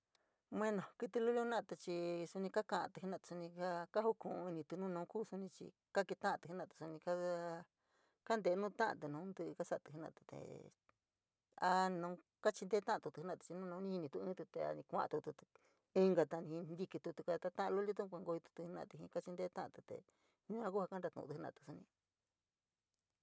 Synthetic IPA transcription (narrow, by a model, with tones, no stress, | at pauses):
m˧ẽ˦nõ˨ki˧t̪i˧lu˦lu˦hnã˦ʔt̪a˧t͡ʃi˧su˧nĩ˧ka˦kã˧ʔã̰˧t̪u˧hnã˧˨t̪u̥˧u˧nĩ˧ka˦ka˦hu˦kũ˨˧i˧nĩ˧t̪u˧nũː˦˧nũː˧˦kuː˦˧su˧nĩ˧t͡ʃḭ˧ | ka˦ki˧t̪ã˦ʔã˧t̪u˧hi˦nã˧˨t̪u̥˧su˧nĩ˧ka˦ | ka˦nd̪e˨˦nũː˦˧t̪ã˦ʔã̰˧t̪u˧nũː˨˦nd̪ɨ˧ʔka˦sa˧˦˨t̪ɨ̥˧˨ɦnã̰˧˨t̪u̥˧t̪ḛ˨ | a˧nõ˧˦ | ka˦t͡ʃi˧nd̪e˦t̪ã˦ʔa˧t̪u˧t̪u˧hnḁ̃˧˨˧t͡ʃi˧nũː˦nõ˧˦nĩ˦hi˧nĩ˧t̪u˧ɨ̃˦t̪u˧t̪e˧˨a̰˧nĩ˧kʷã̰˧ʔt̪u˧t̪u˧ | i˦˧ŋɡa˧t̪a˧nĩ˧ĩ˧nd̪i˧ki˧t̪u˧t̪u˧ka˧a˧t̪a˧t̪ã˦ʔlo˦li˦t̪u˦˧kʷa˧ŋɡo˧i˧t̪u̥˧t̪u˧hnã̰˧˨t̪i˧ɦĩ˧ka˦t͡ʃi˧nd̪e˦t̪ã˦ʔã̰˧˨t̪u˧t̪ḛ˨ | nũ˦ã˧ku˦ha˧ka˦nɾa˧t̪ṵ̃˧˨˧u˧˦nã̰˧˨t̪u̥˧su˧nĩ˧